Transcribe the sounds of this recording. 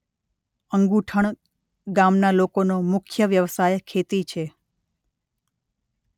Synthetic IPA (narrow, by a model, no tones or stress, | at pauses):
əŋɡuʈʰəɳ | ɡamnalokonomʊkʰjəʋjəʋsajkʰet̪it͡ʃʰe